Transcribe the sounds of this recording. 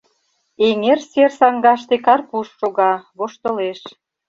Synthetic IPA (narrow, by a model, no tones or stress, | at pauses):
eŋersersɑŋɡɑʃt̪ekɑrpuʃːoɣɑβoʃt̪ɤ̆leʃ